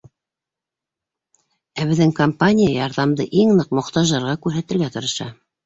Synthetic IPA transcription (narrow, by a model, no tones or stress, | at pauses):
æbɘ̆ðːɘŋkompanʲijajɑɾðɑmd̪ɤʔiŋnɤqmŏqt̪ɑʒɑɾʁɑkʉɾɦæt̪ɘ̆lɡæt̪ɤ̆ɾɤ̆ʃɑ̰